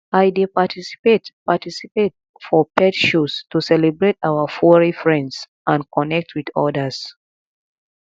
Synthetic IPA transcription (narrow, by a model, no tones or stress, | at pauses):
ajdepatʰisi̥petpatisipet | fɔpɛtʃustusɛlɛbɹetaʊəfɔɹifɹɛ̃nds | ʔãnkʰɔnɛk̚tʰwidɔ̰dəs